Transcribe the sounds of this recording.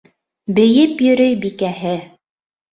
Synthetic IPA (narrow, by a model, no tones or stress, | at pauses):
bɘ̆jɘpjɵ̆ɾɵjbikæɦɘ